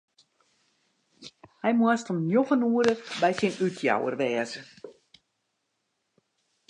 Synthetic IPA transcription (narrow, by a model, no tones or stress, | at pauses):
hɛjmuəstomnjoxənuəɾəbɛjsinytʰja̰wə̰rʋɛːəzə